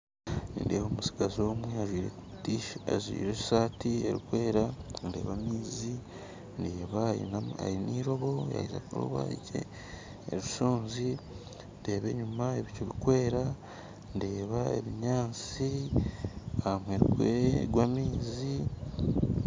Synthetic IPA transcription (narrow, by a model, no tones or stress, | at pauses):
nḭːndeːβomusi̥ɡazo̞ːmweaʒwiːɾe | tia̰ʒwḭːɾe̥saːtie̞ɾikwe̞ːɾandeːβamiːzi | ndeːβaa̰jiniːɾo̞βo̞ja̰jiza̰kuɾṵβa̰iɟḛ | ḛɾusuːnzi | nde̞ːβe̞ɲumaeβicoβikwe̞ːɾa | nde̞ːβae̞̰βiɲaːnt͡si | amweɾikweɡwamiːzi